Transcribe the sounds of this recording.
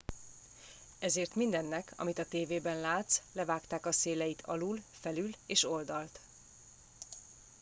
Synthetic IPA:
ɛzeːrt̪mind̪ɛnːɛkʰɒ̰mit̪ɒt̪eːveːbɛnlaːt̪slɛvaːkt̪aːkɒseːlɛjit̪ʰɒ̰lulfɛlyleːʃo̞ld̪ɒlt̪

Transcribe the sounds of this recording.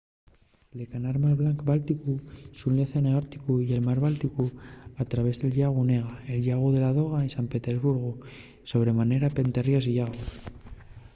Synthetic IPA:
lekanaɾmaɾβlaŋkbalt̪ikusunljaθeneaɾt̪i̥kuie̞lmaɾβalt̪ikuat̪ɾaβe̞zðe̞lʎaɣ̞uneɣaelʎaɣ̞uðe̞lað̞o̞ɣ̞aensampe̞t̪ezβuɾɣ̞u | so̞β̞ɾe̞mane̞ɾape̞nt̪erjosiʝaɣu

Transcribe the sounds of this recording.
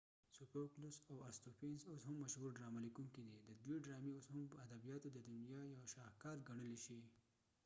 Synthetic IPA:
supeklʊsawaɾst̪opinsoshʊmːaʃhuɾɖɾɑmalikuŋkid̪id̪əd̪wiɖɾɑmioshʊmpəad̪abijɑt̪od̪əd̪ʊnjɑjawʃɑhkɑɾɡaɳəliʃi

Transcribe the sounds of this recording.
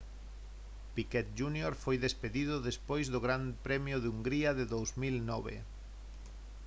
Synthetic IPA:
pikɛt̪ʒunjoɾfojðespeðiðʊðespojzðoɣɾampɾɛmjoðuŋɡɾiaðeðowzmilnɔβ̞ḛ

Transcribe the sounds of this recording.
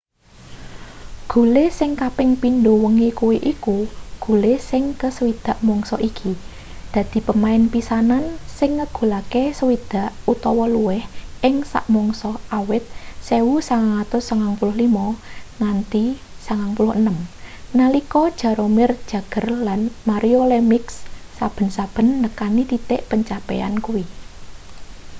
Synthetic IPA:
ɡ̥ṳlesɪŋkapɪŋpind̪owəŋikuwiʔikuɡ̥ṳlesɪŋkəsəwid̪̥a̤ʔmɔŋsɔʔikʰi | d̪̥a̤d̪̥i̤pəmaɪnpisanansɪŋːəɡ̥ṳlakesəwid̪̥a̤ʔut̪ɔwɔluwɪhʔɪŋsa̰ʔmɔŋsɔawɪt̪̚sewusaŋaŋat̪ʊsːaŋaŋpulʊhlimɔnant̪i | saŋaŋpulʊhənəmnalikɔd̥ʒ̥ä̤ɾomɪrd̥ʒ̥a̤ɡ̥ə̤rlanmaɾʔiolemɪksː | ab̥ə̤nsab̥ə̤nːəkanit̪it̪ɪʔpəɲt͡ʃapɛ̰a̰nkuwi

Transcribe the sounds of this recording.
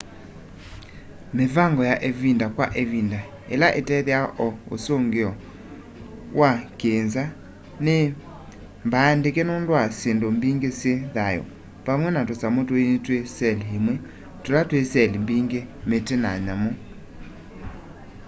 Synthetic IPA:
mevaŋɡɔjaʔevindakwaʔevinda | ḛlaʔetɛðjaʔɔo̰soŋɡeɔ | wʔakenza | ne | mbaːndekenondwasendombiŋɡesjeðajɔ̰ | pamwɛnatosamotoenitwesɛliɦemwɛ | tolatwesɛlimbiŋɡemetena̰ɲamɔ

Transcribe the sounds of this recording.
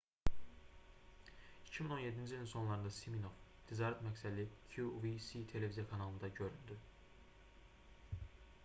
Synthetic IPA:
icʰimiŋo̞nje̞d̪ind͡ʒilʲinso̞nlˠɑɾɯnd̪ɑsiminovt̪ʰizɑɾæt̪mæcsælikʰjuvisit̪ʰe̞le̞vizijakʰɑnɑlˠɯnd̪ɑɟø̞ɾyld̪y

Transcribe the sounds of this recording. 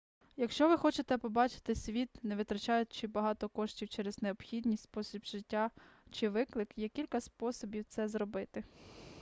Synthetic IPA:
jɐkʃt͡ʃɔʋɪxɔt͡ʃɪt̪ɛpɔbɑt͡ʃɪ̥t̪ɪsʲʋʲit̪nɛʋʲɪt̪ɾɐt͡ʃɑjʊt̚ʲt͡ʃɪbɐɦɑt̪ɔkɔʃtʲiwt͡ʃɛɾɛz̥neɔpxʲid̪ʲnʲisʲtʲspɔsʲibʒ̥ɪtʲːat͡ʃɪʋɪklˠɪkjɛkʲilʲkɐspɔsɔbʲiwt̪sɛzɾɔbɪt̪ɪ

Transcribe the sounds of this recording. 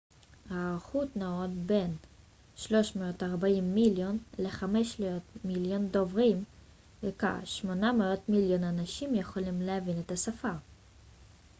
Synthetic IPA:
haːʁχutnaotbe̞n | ʃlo̞ʃmeotaʁbaimːiljo̞nleχameʃleotmiljo̞ndo̞vʁim | veka̰χʃmo̞nameo̞t̪miljo̞nanaʃimjeχolimleavinet̪asafaʁ

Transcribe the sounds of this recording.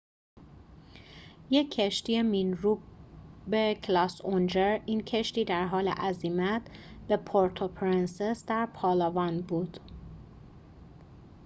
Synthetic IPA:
jecʰːeʃt̪iːeminɾuːbecʰlɒːsond͡ʒeɾiːncʰeʃt̪iːd̪æɾɦɒːlḛʔæziːmæt̪̚ʰb̥e̞pʰoɾt̪ʰopʰɾinsesd̪æɾpʰɒːlɒvɒːnbuːd̪̥

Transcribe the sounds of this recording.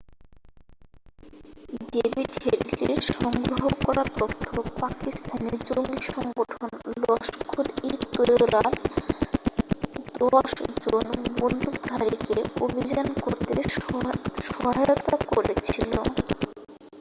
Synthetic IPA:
ɖebʱiɖheɖliɾʃɔŋɡɾoɦokɔɾat̪ot̪ʰːopakist̪ʰaneɾd͡ʑoŋɡiʃɔŋɡoʈʰonlɔʃkʰulit̪ːojoɾal | d̪̥ɔʃd͡ʑonbondukd̪ʱaɾikeobʱid͡ʑankoɾt̪e | ʃɔɦajot̪akoɾet͡ɕʰilo

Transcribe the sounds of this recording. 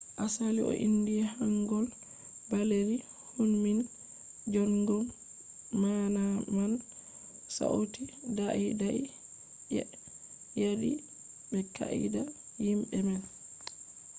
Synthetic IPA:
ʔasalḭʔɔ̰ʔindiɛhaŋɡɔl | baleɾi | hunmin | d͡ʒɔnɡɔm | manaman | sa̰ʔotidaʔidai | jɛ | jadḭ | bɛka̰ḭda | jimɓɛman

